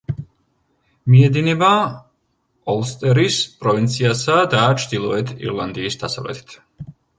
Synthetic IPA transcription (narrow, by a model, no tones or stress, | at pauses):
miɛd̪inɛba | ɔlˠst̪ʼɛɾispʼɾɔvint̪sʰiasad̪at͡ʃʰd̪ilˠɔɛt̪ʰḭɾlˠand̪iːsd̪̥asa̰vlɛ̰t̪ʰi̥t̪ʰ